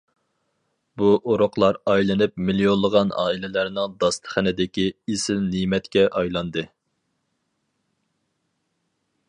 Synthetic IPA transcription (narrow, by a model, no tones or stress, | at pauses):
buʔoɾʊqlˠɑɾɑjlˠɨnɨp̚milijonlˠːəʁɑnɑ̰ːilɪlæɾnɨŋd̪ɑst̪ʰə̥χənɪd̪ɪkʲiesɪlnimɛt̪kʲɛʔɑjlˠɑnd̪ɨ